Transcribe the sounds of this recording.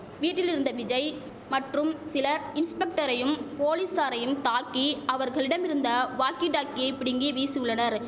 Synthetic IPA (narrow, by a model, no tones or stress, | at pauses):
ʋiːʈːɪlɪɾɯnd̪ɐʋɪd͡ʒɐɪ | mɐʈrɯmsɪlɐɾɪnspɛk̚ʈɐɾɐjɯmpoːlisaːɾɐjɯmt̪aːkːiɐʋɐɾɣɐɭɪɽɐmɪɾɯnd̪ɐʋaːkiʈaːkːɪjɐɪpɪɽɪŋɡiʋiːsɪɯɭːɐnɐɾ